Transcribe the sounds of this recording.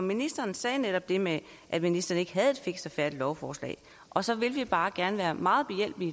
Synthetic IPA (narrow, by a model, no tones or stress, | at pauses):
minisd̥ɐːn̩sɛːneɾɒ̽b̥̚d̥e̝me | ʔæd̥minisd̥ɐːn̩e̝ɡ̥əɦæð̞̩ˠe̝d̥fe̝ɡ̥sɒfæɐd̥lɒʊfɒːslɛ̰ːɪ | ʔɒ̽sɒ̽ʋe̝lʋib̥ɑ̈ːɡ̥æɐnəʋæːɐmɑ̈ːð̩ˠb̥e̝jel̰b̥i